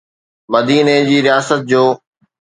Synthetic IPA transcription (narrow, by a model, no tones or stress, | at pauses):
mɐd̪iːned͡ʑiːɾijaːsət̪̚d͡ʑoː